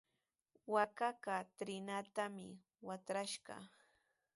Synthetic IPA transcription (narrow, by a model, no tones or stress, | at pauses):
wakakat̪ɾɪnat̪amɪ̰ | wat̪ɾaʃɢɑ̰